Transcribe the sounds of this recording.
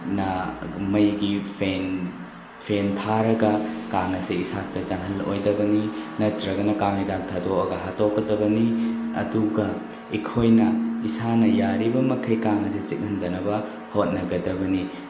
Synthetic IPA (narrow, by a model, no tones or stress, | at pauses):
nɐmɐjɡipʰen | pʰentʰaɾɐɡɐkaŋɐseisak̚tɐt͡ʃɐŋɦɐlo̰jdɐbɐninɐtɾɐɡɐnɐkaŋitak̚tʰadoɐ̰ɡɐɦatokːɐdɐbɐniɐ̰duɡɐ | ikʰojnɐisanɐjaɾibɐmɐkʰɐjkaŋɐset͡ʃik̚ŋɐndɐnɐbɐ | hot̚nɐɡɐdɐbɐni